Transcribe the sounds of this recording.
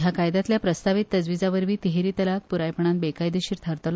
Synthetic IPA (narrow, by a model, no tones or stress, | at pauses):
ɦjakajd̪at̪ljapɾəst̪aʋit̪ːəd͡zʋid͡zaʋəɾʋiːt̪iɦeɾiːt̪əlak̚puɾajpəɳãnbekajd̪eɕiːɾt̪ʰaɾt̪əl